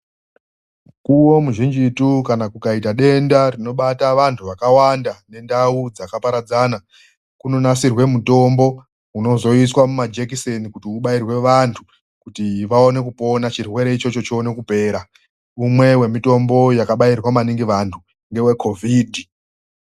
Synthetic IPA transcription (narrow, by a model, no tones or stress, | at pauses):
kuwo̞muʒind͡ʒitukanakukaitaɗe̞ndarino̞ɓataʋantʰuʋakawandane̞ndaud͡zakapaɾad͡zaːna | kuno̞nasirwe̞muto̞mbo̞ | uno̞zo̞iswamumad͡ʒekisenikutiuɓairwe̞ʋantʰu | kutiʋaone̞kupo̞nat͡ʃirwe̞ɾe̞it͡ʃo̞t͡ʃo̞t͡ʃione̞kupe̞ːɾa | umwe̞we̞mito̞mbo̞jakaɓairwamaniŋɡiʋantʰu | ŋɡe̞we̞kʰo̞vʱidʱi